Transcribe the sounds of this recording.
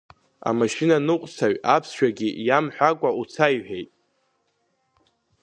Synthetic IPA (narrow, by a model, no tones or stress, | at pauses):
a̰maʃinanɨqʷʼsʰaɥapʰsʃᶣaɡʲijamħʷᶣakʷʼaut͡sʰajħᶣejtʼ